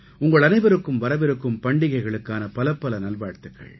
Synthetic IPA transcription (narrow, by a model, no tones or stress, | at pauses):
ʊŋɡɐɭɐnɐɪʋɐɾɯkːɯmʋɐɾɐʋɪɾɯkːɯmpɐɳɖɪɣɐɪɣɐɭɯkːaːnɐpɐlɐpːɐlɐnɐlʋaːɽt̪ːɯkːɐ̰ɭ